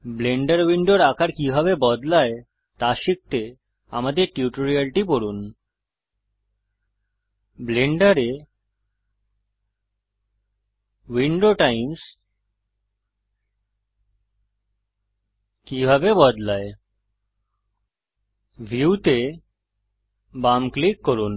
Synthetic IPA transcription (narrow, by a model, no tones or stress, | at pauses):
bleɳɖaɾwiɳɖoɾakʰaɾkibʱabebɔd̪lae | t̪aʃik̚t̪e | a̰mad̪eɾʈiuʈoɾialʈipoɾun | bleɳɖaɾe | wiɳɖoʈajims | kibʱabebɔd̪lae | bʱiut̪e | bamklikːoɾun